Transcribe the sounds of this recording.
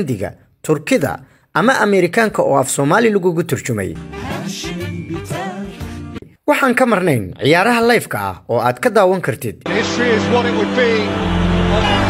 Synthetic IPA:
nd̪ɪɣɐ̰ | t̪ʰʊrkʰɪðɐ̰ | ʔɐmɐʔɐmɛɾɪkʰaːŋkʰɐɔːɐfsɔːmaːlɪlɐɣʊɣʊt̪ʰʊrt͡ʃʊmɛ̰j | wɑħɑːŋkʰɐmɐrnɛjnʕɪ̰jaːɾɐɦɐlɐjfkʰɐɐ̰hɔːaːd̪kʰɐd̪aːwɐŋkʰɐrt̪ʰɪd̪̥̚nhɪstɹ̥iɪzwɔɾɪt̚wəd̚bi

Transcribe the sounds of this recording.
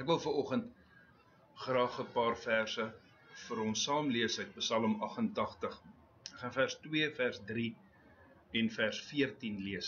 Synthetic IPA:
ækvəlˠfəɾɔχənt | χrɑːχəpɑːrfærsə | fəɾɔnsɑːmliəsəɥt̚pəsɐləmɐχəntɐχtəχ | χɑnfærstwiəfærsdri | ɛnfærsfiərtinliəs

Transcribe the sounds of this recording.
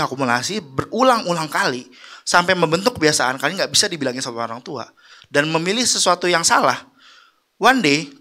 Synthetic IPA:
akumula̰sibərulaŋulaŋkali | sampajməmbənt̪ʊkːəbiasaankaliŋɡaʔbisadibilaŋɪnsat̪aoɾaŋt̪ua̰ | danməmilɪhsəsuat̪ujaŋsalah | wande

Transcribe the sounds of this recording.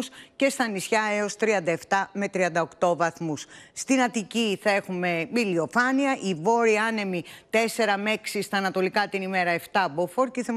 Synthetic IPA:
sce̞st̪ɐnisçɐeo̞st̪ɾiɐnd̪ɐe̞ft̪ɐme̞t̪ɾiɐnd̪ɐo̞kt̪o̞vɐθmusːt̪inɐt̪iciθɐe̞xume̞milio̞fɐniɐʔivo̞ɾiɐne̞mit̪e̞se̞ɾɐme̞ksist̪ɐːnɐt̪o̞likɐt̪inime̞ɾɐe̞ft̪ɐbofo̞ɾceθe

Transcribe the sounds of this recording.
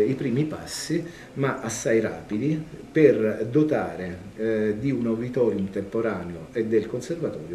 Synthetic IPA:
ipɾiːmipa̰sːi | maʔasːajra̰ːpid̪iperd̪ot̪aːɾe | d̪iunovit̪ɔːɾjumt̪empoɾaːneoed̪ːelkonservat̪ɔːɾjo

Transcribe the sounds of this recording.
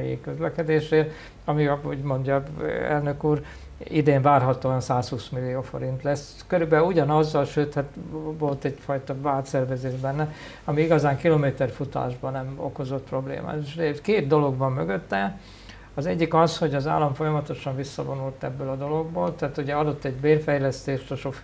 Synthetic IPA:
ḭkøzlɛkɛd̪eːʃeː | ɒmiɒuɟmo̞ɲɟɒɛ̰lnøkuːɾ | id̪eːɱvaːrɦɒt̪oːɒnsaːshuːsmilːijoːfo̞̰ɾint̪lɛs | køɾybɛuɟɒnɒzːɒlʃøːt̪hat̪vo̞lt̪ɛɟfɒjt̪ɒbaːt̪sɛrvɛzeːʒbɛnːɛ | ɒmiiɡɒzaːŋkilomeːt̪ɛrfut̪a̰ːʒbɒnɛmo̞̰ko̞zo̞t̪̚pro̞blḛːma̰ːt̪eʃekeːt̪̚d̪o̞lo̞ɡbɒmːøɡøt̪ːɛ | ɒzɛɟːikɒsho̞ɟɒza̰ːlːɒɱfo̞jɒmɒt̪o̞ʃɒɱvisːɒ̰vo̞nult̪ɛbːøːlɒd̪o̞lo̞ɡ̚boːlt̪ɛaːt̪uɟɛɒd̪o̞t̪ːɛɟbeːrfɛjlɛst̪eːʃt̪oʃo

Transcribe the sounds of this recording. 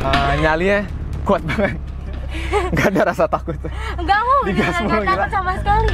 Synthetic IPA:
əɲalija | kuat̪̚baŋət̪̚ | ŋɡaːdaɾasat̪akʊt̪ | ɡamɔiɡasəmulɡit̪samaskaɾi

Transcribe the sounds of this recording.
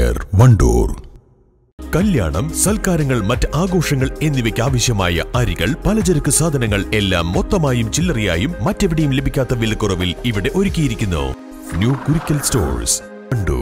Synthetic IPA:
ɐ̰rʋɐɳɖṵːr | kɐlja̰ːɳɐ̰msɐlkaːɾɐŋːɐɭmɐtːɨʔaːɡo̞ːʂɐŋːɐɭe̞nːiʋɐkʲːaːʋɐɕjɐmaːjɐ̰ʔɐɾiɣɐ̰ɭpɐlɐd͡ʑɐɾɐkːɨsaːd̪ʱɐnɐŋːɐɭe̞lːa̰ːmːo̞t̪ːɐmaːjumt͡ɕilːɐrija̰ːjumːɐtːe̞ʋiɽɐjumle̞bʱikʲːaːt̪ːɐʋilɐkːurɐʋiliʋiɽe̞ʔo̞ɾukʲːijiɾikʲːunːṵ | njuːkuɾikʲːɐlsto̰ːrs | ɐɳɖṵː

